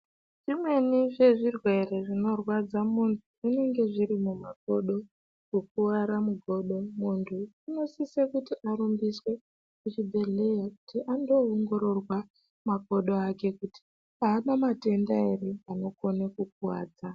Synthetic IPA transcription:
ʐ̥imwe̞niʐe̞ʐirwe̞re̞ʐino̞rwad͡zamuntʰuuneŋɡe̞ʐiɾimumak̚o̞ɗo̞ | kok̚uʋaɾamuɡʱo̞ɗo̞muntʰuino̞sisekutiʔaɾumbiswe̞ | kut͡ʃibʱe̞ɮe̞jaku̥tiʔando̞ːŋɡo̞ɾo̞rwa | mako̞ɗo̞ake̞kuti̥ | aːɓamate̞ndaereano̞ko̞nekuk̚uwaːd͡za

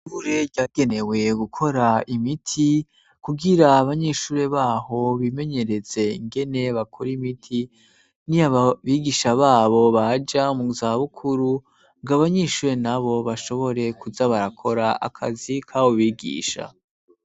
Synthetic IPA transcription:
ʃuɾe̞ɾɟaːɡ̥e̞ne̞we̞ɡukʰo̞ɾaimitʰi | kuɡiɾaːβaɲeːʃuːɾe̞βaːɦo̞βime̞ɲe̞ɾeze̞iŋɡe̞ne̞βakʰoɾimitʰi | niaβiːɡiʃaβaːβo̞βad͡ʒamuzaβukʰuɾu | ŋɡaβaɲeːʃuːɾe̞naβo̞βaʃo̞βo̞ɾe̞kuzaβaɾakʰo̞ɾaa̰kʰa̰zikʰawoβiːɡḭːʃa̰

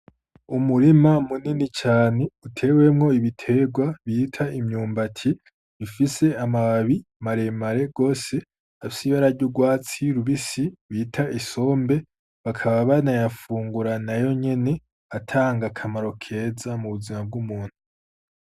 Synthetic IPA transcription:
umuɾimamuninit͡ʃaːne̞utʰe̞we̞mŋo̞iβitʰe̞ɡwaβitʰaʔimɲuːmbatʰi | ifise̞amawaβimaɾe̞maɾe̞ɡo̞ːse̞ | afisiβaɾaɾɟuɡwaːt͡siɾuβisiβiːtʰaʔiso̞ːmbe̞ | βakʰaβaβanajafuːŋɡuɾanajo̞ɲe̞ne̞ | atʰaːŋɡakʰamaɾo̞kʰe̞zamuβuzimab̚ɡumuːn̥hu

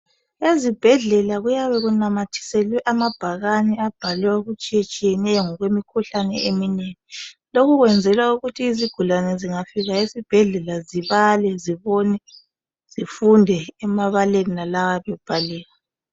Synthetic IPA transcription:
ezib̥ʱɛɮɛlaɣujaβɛɣunamatʰi̥sɛlwɛʔamab̥ʱaɣanɛab̥ʱalaoɣut͡ʃʼit͡ʃʼijɛnɛjɔŋɔɣwemikʰuɬanɛ̰emineŋilokuɣwɛnd͡zʱɛlwauɣutʰiːziɡ̥ʱulanɛziŋafiɣaezib̥ʱɛɮɛlaziβalɛziβonɛ | z̥ifundʱɛːmaβaleninalawaβɛb̥ʱalɛːɣa

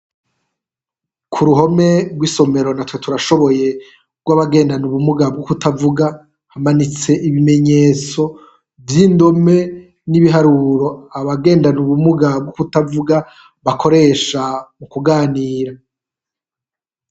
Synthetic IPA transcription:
kʰuɾuɦo̞me̞ɡwiːso̞me̞ɾo̞natwe̞tʰuɾaʃo̞βo̞je̞ | ɡwaβaɡe̞ːndanuβumuɡab̚ɡokutavuɡa | hamanit͡se̞ʔiβime̞ɲe̞ːt͡so̞ | vjiːndo̞me̞ | niβiɦaɾuɾo̞aβaɡe̞ːndanuβumuɡab̚ɡokutavuɡa | βakʰo̞ɾe̞ːʃamukuɡaːniːɾa

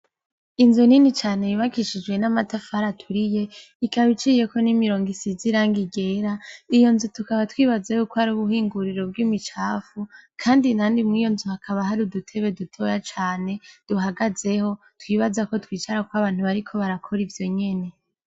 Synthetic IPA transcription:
inzuninit͡ʃaːne̞juβakiʃid͡ʒɡwe̞namatafaɾatʰuɾije̞ | ikaβit͡ʃiːje̞ko̞nimiɾo̞ːŋɡisiziɾaːŋɡiɡe̞ːɾaijo̞nzutukaβatwiːβazehukoaɾuːβuhiːŋɡuɾiɾo̞b̚ɡimit͡ʃaːfukʰaːndinaːndimŋiːjo̞nzuhakʰaβaɦaɾudutʰe̞βe̞dutʰo̞jat͡ʃaːne̞d̥uɦaɡaze̞ho̞ | twiːβazako̞twiːt͡ʃaɾakwaβaːn̥huβaɾikʰo̞βaɾakʰo̞ɾivjo̞ɲe̞ne̞

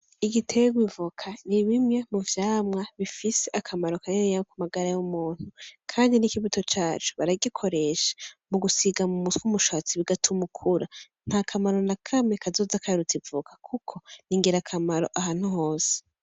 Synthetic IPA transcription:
iɡitʰeɡwivukʰaniβimŋe̞muvjaːmŋaβifise̞ʔakʰamaɾo̞kaneejaokumaɡaɾajumuːn̥hukʰaːndinikiβuto̞t͡ʃaːt͡ʃu̥βaɾaɡikʰo̞ɾe̞ʃḁmuɡusiɡamumuswumuʃat͡siβiɡatʰumukʰuɾa | n̥hakʰamaɾo̞nakʰame̞kʰazo̞ːzakaɾutibvukʰḁkʰukʰo̞niŋɡiɾakʰamaɾo̞̰ʔaɦaːn̥huho̞ːsi̥

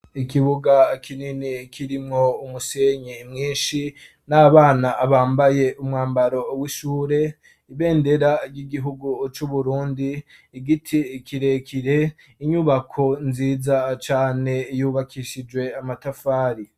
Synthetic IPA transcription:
ikiβuɡakʰininikiɾimŋo̞umuse̞ɲimŋiːnʃi | naβaːnaʔːβaːmbaje̞ʔumŋaːmbaɾo̞wiʃuːɾe̞ | iβe̞ːnde̞ɾaɾɟiɡiɦuɡut͡ʃuβuɾuːndiː | ɡitʰikʰiɾekʰiɾe̞ | iɲuβakʰo̞nziːzat͡ʃaːne̞juːβakʰiʃid͡ʒwe̞amatafaːɾi

